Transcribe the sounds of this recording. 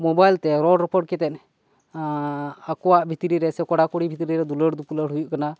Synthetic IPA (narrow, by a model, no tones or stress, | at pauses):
mɔbajlt̪ɛɾɔɖɾəpɔʈ̚kɛt̪ɛn | akɔwaʔbʱit̪ɾiɾɛsɛkɔɽakuɽibʱit̪ɾiɾɛd̪uləɽd̪upuləɽɦujuʔkana